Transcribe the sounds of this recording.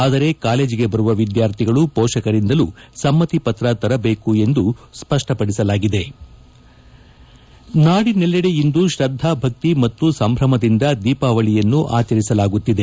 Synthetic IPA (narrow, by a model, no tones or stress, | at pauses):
aːd̪ɐɾe̞kaːle̞ːd͡ʒiɡe̞bɐɾuʋɐʋid̪jaːɾt̪ʰiɡɐɭupɔːʂɐkɐɾind̪ɐlusɐmːɐt̪ipɐt̪ɾɐt̪ɐɾɐbeːkue̞nd̪uspɐʂʈɐpɐɽisɐlaːɡid̪e̞ | naːɽinɛlːɛɽejind̪uʃɾɐd̪ʱːabʱɐk̚t̪imɐt̪ːusɐmbʱɾɐmɐd̪ind̪ɐd̪iːpaːʋɐɭijɐnːuʔa̰ːt͡ʃɐɾisɐlaːɡut̪ːid̪e